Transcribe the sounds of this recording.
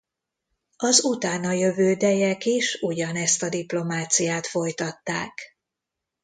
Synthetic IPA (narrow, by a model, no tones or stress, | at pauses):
ɒzut̪aːnɒjø̞vøːd̪ɛjɛkiʃuɟɒnɛst̪ɒd̪iplo̞maːt̪sijaːt̪fo̞jt̪ɒt̪ːaːk